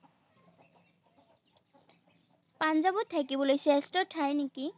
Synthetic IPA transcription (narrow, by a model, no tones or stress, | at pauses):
panzɔbɔtʰːakibɔlojsestɔtʰajneki